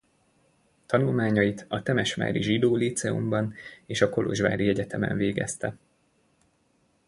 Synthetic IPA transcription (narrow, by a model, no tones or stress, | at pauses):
t̪ɒnulmaːɲɒjit̪ɒt̪ɛmɛʃʋa̰ːɾḭʒid̪oːlit̪sɛṵmbɒneːʃɒko̞lo̞̰ʒʋa̰ːɾiɛɟɛt̪ɛmɛ̰ɱveːɡɛ̰st̪ɛ